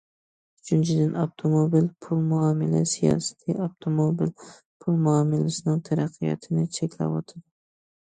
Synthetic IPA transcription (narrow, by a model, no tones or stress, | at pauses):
ʊt͡ʃʰɪnt͡ʃʰɪd̪ɪnavt̪ʰomobilpʰʊlˠmʊamɪla̰sijɒ̰sɪ̥t̪ʰaawt̪ʰomobil | pʰʊlˠmʊamɪlasɪnɪŋt̪ʰaɾaqʰːɨja̰t̪ʰɪnɪt͡ʃʰekʲʰla̰bɒt̪ʰɪd̪